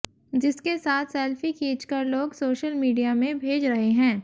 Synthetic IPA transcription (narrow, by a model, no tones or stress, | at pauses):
d͡ʒɪskesaːt̪ʰsɛːlfikiːt͡ʃkɐɾloːɡsoːʃəlmiːɖijamẽbʱeːd͡ʒɾɐɦeɦɛ̃ː